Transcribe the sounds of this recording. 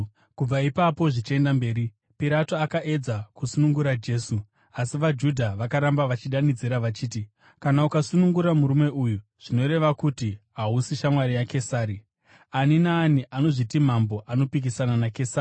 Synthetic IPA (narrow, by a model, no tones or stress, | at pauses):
kub͡vaipapo̞ʐit͡ʃe̞ndambe̞ːɾi | piɾatoakaʔe̞d͡zakusunuŋɡuɾad͡ʒe̞ːsu | asiʋad͡ʒudʱaʋakaɾambaʋat͡ʃiɗanid͡ziɾaʋat͡ʃiːti | kanaukasunuŋɡuɾamuɾume̞ujuʐ̥ino̞ɾe̞ʋakutiɦausiʃamwaɾijake̞saːɾi | aninaːniʔano̞ʐitim̤ambo̞ʔano̞pik̬isananakesaːri